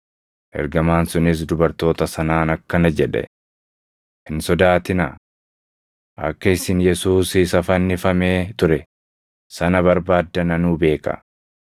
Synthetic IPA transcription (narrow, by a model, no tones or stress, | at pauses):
ʔɛ̰ɾɡɐmaːnsʊnɪs̬d̪ʊbɐɾt̪o̞ːt̪ɐsɐnaːnɐkːɐnɐd͡ʒɛᶑɛ̰ | hɪnsɔd̪aːt̪ɪnɐ | ʔɐ̰kːɐɪsɪnjɛsuːsɪsɐfɐnːɪfɐmeːt̪ʊɾɛ | sɐnɐβɐɾbaːd̪ːɐnɐnuːbe̞ːkɐ̰